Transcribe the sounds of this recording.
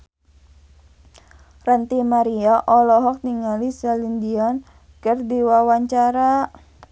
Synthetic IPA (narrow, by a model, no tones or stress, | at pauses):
rant̪imaɾiaʔɔlɔɦɔk̚niŋalisalindiɔn | kərdiwawaɲt͡ʃaɾa